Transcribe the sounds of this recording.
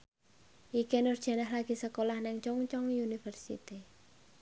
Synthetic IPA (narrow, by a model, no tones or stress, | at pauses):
ʔikenʊrd̥ʒ̥a̤nahlaɡ̥i̤səkolahnɪŋt͡ʃɔŋt͡ʃɔŋjunifərsḭt̪i